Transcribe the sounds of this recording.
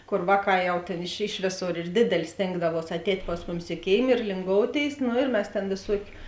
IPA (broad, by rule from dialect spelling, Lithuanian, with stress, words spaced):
ˈkoːr ˈʋɑːˌkɑː ˈjɛʊ ˈtʲeːn ɪʃ ˈɪʃ ʋʲeːˌsoːr ɪr ˈdʲeːdʲɛlʲeː ˈsʲtʲeːŋɡdɐʋuɔs ɐtʲˈɛːtʲ ˈpɐs mʊˌmʲɪs ɪ ˈkʲeːɪm ɪr lʲɪŋˈɡoːʊˌtʲeːɪs ˈnoː ɪr ˈmʲɛs tʲeːn ʋʲeːˈsuɔkʲʊ